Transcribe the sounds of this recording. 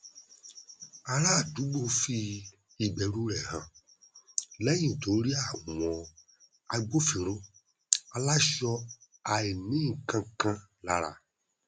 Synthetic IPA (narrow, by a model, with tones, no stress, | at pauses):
a˨ɾa˦˨du˨˦ɡ͡bo˦fi˦ | i˨ɡ͡bɛ˨ɾu˦ɾɛ˨ɦã˨ | lɛ˦ɲĩ˨to˨˦ɾi˦a˦˨wɔ̃˨ | a˨˦ɡ͡bo˦fi˨ɾ̃õ˦ | a˧la˦ʃɔ˧ | a˨e˨nĩ˦ĩ˨kã˧˦kã˦la˨ɾa̰˨